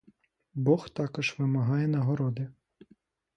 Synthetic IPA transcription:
bɔxt̪ɑkɔʒʋɪmɐɦɑjɛnɐɦɔɾɔd̪ɪ

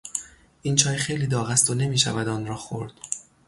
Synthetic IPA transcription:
ʔint͡ʃʰɒːjxejliːd̪ɒːɣæst̪one̞miːʃæ̰væd̪ɒːnɾɒːxo̰ɾd̪̥

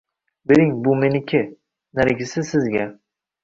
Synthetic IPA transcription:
bɪɾɪŋbʊmenɪkʲʰɪ | naɾɪɡʲɪsɪsɪzɡʲa

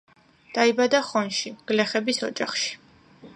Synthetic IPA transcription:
d̪̥aibad̪aχɔnʃiɡ̥lɛχɛbisɔ̰d͡ʒaχʃi̥

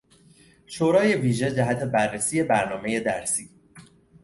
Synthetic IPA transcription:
ʃoːɾɒːje̞viːʒe̞d͡ʒæɦæt̪ʰe̞bærːesiːje̞bæɾnɒːme̞je̞d̪æɾsiː

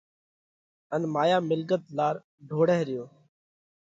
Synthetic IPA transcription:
ənmaːjaːmɪlɡət̪laːɾ | ɖʱoːɽeɦɾɪjoː

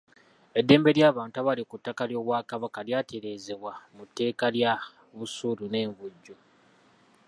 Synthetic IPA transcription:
e̞dːe̞ːmbe̞ljaːβaːntaβalikutːakaljo̞ːβwakaβakaljaːte̞ɾe̞ːze̞βwamutːe̞ːkalja | βusulune̞ːɱvuɟːo

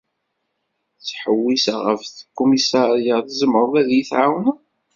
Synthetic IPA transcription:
θħəwːisaʁə̰fθkːumisaɾijaθəzəməɾˤðæðjiθʕawn

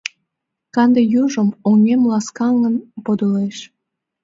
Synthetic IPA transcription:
kɑnd̪ejuʒəmoŋemlɑskɑŋːənpod̪uleʃ

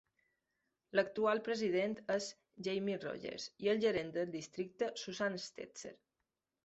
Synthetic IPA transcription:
lək̚t̪ualˠpɾəziðent̪əz | ʒejmiro̰ʒḛɾziəlˠʒəɾend̪əlˠd̪ist̪ɾik̚t̪əsuzanst̪ḛt͡sḛɾ

